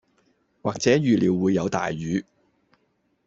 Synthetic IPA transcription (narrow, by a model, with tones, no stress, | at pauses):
waː˨k̚t͡sɛː˨˥jyː˨liː˨˧wːuː˨˧jːɐ˨˧wt̪a̰ː˨jːyː˨˧